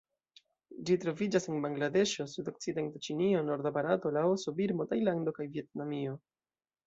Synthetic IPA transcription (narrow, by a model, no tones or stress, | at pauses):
d͡ʒitɾo̞vid͡ʒase̞nbaŋɡlade̞ʃo̞sudo̞k̚t͡side̞ntat͡ʃinio̞no̞ɾd̪apaɾato̞laoso̞biɾmo̞tajlando̞kajvie̞t̚namio̞